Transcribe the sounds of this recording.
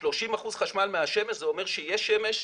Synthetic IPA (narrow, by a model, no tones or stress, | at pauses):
ʃlo̞ʃimaχuzχaʃmalmeaʃe̞meʃzeomeʁʃejeʃemeʃ